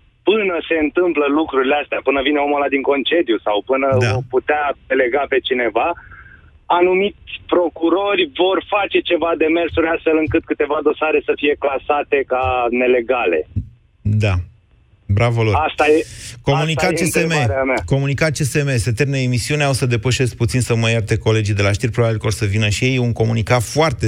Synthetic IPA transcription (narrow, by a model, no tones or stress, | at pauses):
pɨnəse̞ɨnt̪ɨmpləlukɾuɾileast̪eapɨnəvineomolad̪iŋko̞nt͡ʃe̞d̪jusawpɨnəd̪aoput̪ead̪e̞le̞ɡape̞t͡ʃine̞va | anumisʲpɾo̞kuɾo̞rʲvo̞rfat͡ʃe̞t͡ʃe̞vad̪e̞me̞rsuɾʲast̪fe̞lɨŋkɨt̪̚kɨt̪e̞vad̪o̞saɾe̞səfije̞klasat̪e̞kane̞le̞ɡale̞̰ | d̪a | bɾavoloast̪ajeko̞munikat̪t͡ʃesemeɾeamako̞munikat̪̚t͡ʃesemese̞t̪ermneemisiuneawsəd̪e̞pəʃe̞sk̚put̪sinsəməjart̪eko̞le̞d͡ʒid̪e̞laʃt̪irʲpɾo̞babilkəorsəvinəʃije̞juŋko̞munikat̪foart̪e